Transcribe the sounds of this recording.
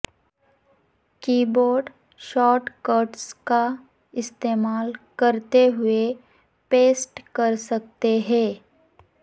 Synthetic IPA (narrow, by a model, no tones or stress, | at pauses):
kiːboːɾɖ | ʃɔːɾʈkəɾʈska | ɪst̪eːmaːlkɐɾt̪eɦʊe | peːsʈkɐɾsɐk̚t̪eɦɛ̃ː